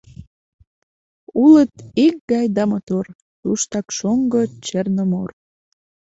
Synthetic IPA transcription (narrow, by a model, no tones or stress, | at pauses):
ulət̪ik̚ɡɑjd̪ɑmɑt̪or | t̪uʃt̪ɑkʃoŋɡət͡ɕernəmor